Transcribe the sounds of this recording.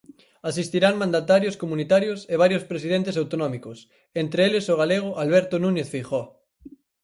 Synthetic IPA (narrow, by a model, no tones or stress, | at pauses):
asist̪iɾaŋmãnd̪at̪aɾjoskomunit̪aɾjoseβ̞aɾjoʊspɾesið̞ent̪es̬awt̪onɔmikʊs | ent̪ɾeelɪsoɣ̞aleɣ̞ʊʔalβɛɾt̪onũɲeθfiχɔ